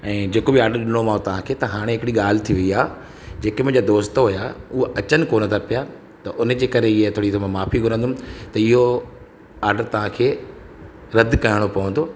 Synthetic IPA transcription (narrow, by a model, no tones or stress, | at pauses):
ɛ̃ːd͡ʑeːkobiaːɾɖəɾɗɪñomaːõt̪ɐʋ̤ãkʰeːt̪ɐɦaːɽ̃eɦɪkɽiɠaːl̤ɪ̆t̪ʰiʋɐiaː | d͡ʑeːkemʊ̃ɦɪ̃ɲd͡ʑad̪oːst̪ɦʊjaʊɦoʔɐt͡ɕənɪ̆koːnət̪ʰapija | t̪ɐʔʊn̆d͡ʑeːkɐɾeɪet̪ʰoːɽit̪omãmaːfiɡʱʊɾə̃nd̪ʊmt̪ɐɪɦo | aːɾɖəɾt̪ɐʋ̤ãkʰeː | ɾɐd̪kɐɪɽ̃opɐʋə̃nd̪oː